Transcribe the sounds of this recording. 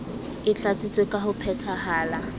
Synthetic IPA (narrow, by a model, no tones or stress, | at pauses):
ɪt͡ɬat͡sʼit͡sʼwekʼaɦʊpʰɛtʰaɦaːla